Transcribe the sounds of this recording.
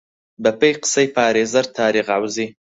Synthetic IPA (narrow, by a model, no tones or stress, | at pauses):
bɐpɐjqə̥sɐjpaːɾeːzɐɾt̪ʰaːɾiɣʕawzi